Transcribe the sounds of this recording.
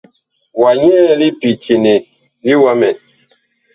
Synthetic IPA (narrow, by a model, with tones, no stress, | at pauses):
wa˨ɲɛ˦li˦pi˨t͡ʃi˨ne˨ | li˦wa˦mɛ˨